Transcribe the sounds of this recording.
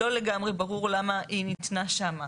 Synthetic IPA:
o̞leɡamʁe̞baʁuʁlamaʔinit̪naʃama

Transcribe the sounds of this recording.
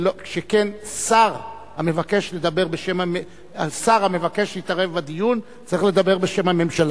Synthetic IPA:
lokʃekensaʁ | hame̞vake̞ʃle̞d̪abe̞ʁbeʃemame | asaʁamevake̞ʃit̪aʁevbad̪ijun | t͡saʁiχle̞d̪abe̞ʁbeʃe̞mhame̞mʃala

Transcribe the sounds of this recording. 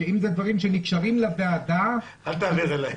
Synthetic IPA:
eimzed̪vaʁimʃenikʃaʁimlabead̪a | alt̪aːviʁela

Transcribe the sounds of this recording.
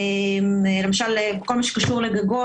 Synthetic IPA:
emlemaʃalkolmaʃe̥kaʃuʁleɡaɡo

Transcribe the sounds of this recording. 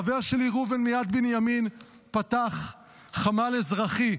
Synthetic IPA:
ave̞ʁʃeliʁuvenmijad̪binjamin | pat̪aχ | χamalezʁaχi

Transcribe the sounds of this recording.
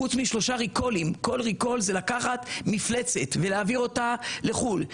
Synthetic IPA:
ut͡smiʃlo̞ʃaʁiko̞limko̞lʁiko̞lzelakaχat̪mifle̞t͡se̞t̪veleaːviʁo̞tale̞χul

